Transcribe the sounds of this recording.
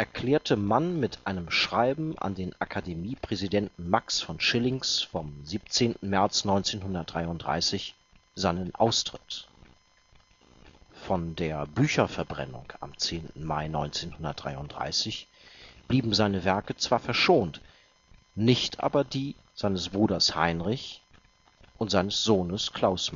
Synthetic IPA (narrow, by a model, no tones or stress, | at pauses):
ʔɛɐkʰl̥ɛːɐtʰəmanmɪtʰʔaɪnəmʃʁ̥aɪbm̩ʔa̰ndeːnʔakʰademiːpʁ̥ɛzidɛntn̩maksfɔnʃɪlɪŋsfɔmziːp̚t͡seːntn̩mɛɐt͡snɔʏnt͡seːnɦʊndɐt̚d̥ʁaɪʊntd̥ʁa̰ɪsɪç | z̥aɪnənʔa̰ʊstʁ̥ɪt | fɔndeːɐbyːçɐfɛɐbʁɛ̰nʊ̰ŋka̰mt͡seːntn̩maɪnɔʏnt͡seːnhʊndɐt̚d̥ʁa̰ɪʊntd̥ʁa̰ɪsɪç | b̥liːbm̩zaɪnəvɛɐkət͡sv̥aːɐfɛɐʃoːnt | nɪçtʔa̰ːbɐdiː | z̥aɪnəsb̥ʁuːdɐsha̰ɪnʁɪç | ʔʊntz̥aɪnəsz̥oːnəskʰl̥aʊsm